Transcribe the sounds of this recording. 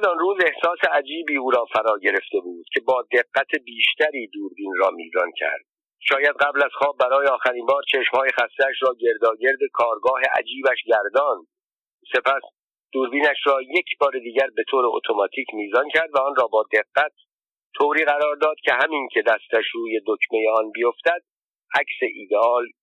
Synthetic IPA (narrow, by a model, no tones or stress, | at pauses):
zɒnruːze̞hsɒːse̞ʔæd͡ʒiːbiːuːɾɒːfæɾɒːɟe̞ɾe̞ft̪e̞buːd̪̥cʲʰe̞bɒːd̪e̞ɡːæt̪ʰebiːʃt̪æɾiːd̪uːɾbiːnrɒːmḭːzɒncʰæ̰ɾd̪̥ | ʃɒːjæd̪ɢæblæz̥xɒːb̚ːæɾɒːjeɒːxæɾiːnbɒːɾt͡ʃʰe̞ʃmhɒːje̞xæst̪eæʃɾɒːɟe̞ɾd̪ɒːɟe̞ɾd̪e̞kʰɒːɾɡɒːɦeʔæ̰d͡ʒiːbæʃɟæɾd̪ɒːn | se̞pʰæs | d̪̥uːɾbiːnæʃɾɒːje̞cʰbɒːɾed̪iːɟæɾbe̞t̪ʰoːɾeo̰t̪ʰo̞mɒːt̪ʰiːcʰmiːzɒncʰæɾd̪væɒnrɒːbɒːd̪e̞ɡːæt̪ːʰ | oːɾiːɣæɾɒːɾd̪ɒːd̪̥cʲʰe̞hæmincʲʰe̞d̪æst̪æʃɾuːje̞d̪okʰme̞jeɒnbijoft̪æd̪̥̚ | æcse̞ʔiːd̪eɒːl